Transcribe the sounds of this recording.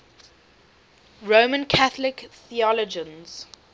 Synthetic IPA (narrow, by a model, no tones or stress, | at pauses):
ɹoʊmə̃nkʰaθəlɪkθiɔləd͡ʒə̃nz̥